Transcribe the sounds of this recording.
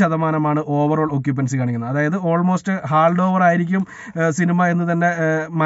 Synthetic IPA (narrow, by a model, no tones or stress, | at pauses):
ɐðɐmaːnɐmaːɳɨʔo̞ːʋɐro̞ːɭo̞k̬ːjup̬ːɐns̬ɨkaːɳikʲːunːɐðaːjɐðɨo̞ːɭmo̞ːstɨɦaːɭɖo̞ːʋɐraːjiɾikʲːum | sinimɐe̞nːɨt̪̬ɐnːe̞mɐ